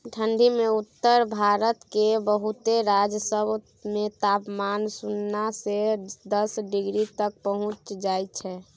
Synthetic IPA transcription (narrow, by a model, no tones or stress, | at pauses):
ʈʰə̃ɳɖimeut̪ːəɾbʱaɾət̪kebəɦut̪eɾad͡ʒjəsəb | met̪apmansunːased̪əsɖɪɡɾit̪ək̚pəɦʊ̃t͡ʃd͡ʒajt̪t͡ʃʰɛː